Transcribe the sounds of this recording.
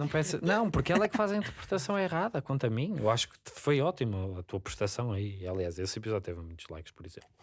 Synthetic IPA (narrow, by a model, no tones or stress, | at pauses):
nɐ̃w̃pɐɾɛsnɐ̃w̃puɾkɛlˠɐɛkfazɐ̃ĩnt̪ɨɾpɾt̪ɐsɐ̃w̃eʁaðɐkõnt̪ɾɐmĩḛwaʃu̥kfojɔt̪imuɐt̪uɐpɾu̥ʃt̪ɐsɐ̃w̃ɐialˠiazesipizɔðjut̪evɐmũj̃t̪uʒlˠa̰jkʃpɔɾiz̥ḛ̃mpˠlˠu